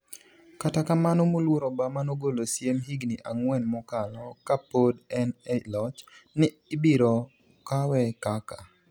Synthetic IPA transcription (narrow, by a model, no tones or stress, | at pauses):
katakamanomolwoɾɔbamanoɡolosjemɦiɡniʔaŋwɛnmɔkalɔkapodɛnɛlɔt͡ʃnɪ | ɪbiɾɔ | kawɛkaka